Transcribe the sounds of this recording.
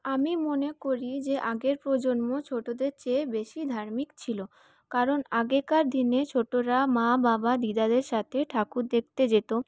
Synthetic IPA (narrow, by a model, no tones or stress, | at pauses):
amimonekoɾid͡ʑeʔaɡeɾpɾod͡ʑonmot͡ɕʰoʈod̪eɾt͡ɕebeʃid̪ʱaɾmikt͡ɕʰilo | kaɾonaɡekaɾd̪ʱinet͡ɕʰoʈoɾamãbabad̪id̪ad̪eɾʃat̪ʰeʈʰakud̪ek̚t̪ed͡ʑet̪o